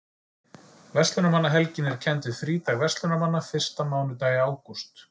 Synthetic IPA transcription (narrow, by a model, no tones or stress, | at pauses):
vɛst̪lʏnamanːaɦɛlcɪnːɪɾ̥cʰɛnt̪ɪð̥fɾiːt̪aɣvɛst̪lʏnamanːafɪr̥st̪amaːwnʏt̪aːjaːwkust̪